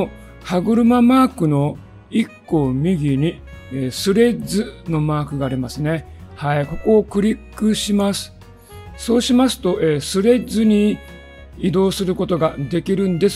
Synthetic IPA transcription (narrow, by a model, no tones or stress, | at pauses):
haɡɯ̟ɾɯ̟mamaːkɯ̟no̞ | ikːo̞mʲiɡʲiɲ̟ieːsɨɾe̞zɨno̞maːkɯ̟ɡaːɾʲimasɨne̞ | haiko̞ko̞ːkɯ̟ɾʲikːɯ̟ɕimasɨ̥ | so̞ːɕimasɨ̥t̪o̞ʔe̞ːsɨɾe̞zɨɲ̟i | id̪o̞ːsɨɾɯ̟ko̞t̪o̞ɡad̪e̞kʲiɾɯ̟̃nd̪e̞s